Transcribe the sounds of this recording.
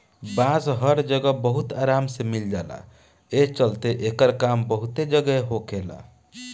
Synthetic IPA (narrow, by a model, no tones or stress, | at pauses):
bãsɦəɾd͡ʒəɡəbəɦut̪aɾamsemild͡ʒala̰ | et͡ʃəlt̪eʔekəɾkambəɦut̪ed͡ʒəɡəɦokela̰